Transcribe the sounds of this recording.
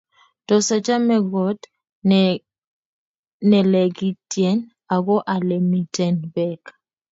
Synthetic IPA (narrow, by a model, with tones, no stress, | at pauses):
tɔ˨sa˨t͡ʃa˦mɛ˨ɡɔ˨˦t | nɛ˨lɛ˨ɡi˦tjɛ˦n | a˨ɡɔ˦ʔa˨lɛ˨mi˨tɛ˨nbɛ˦k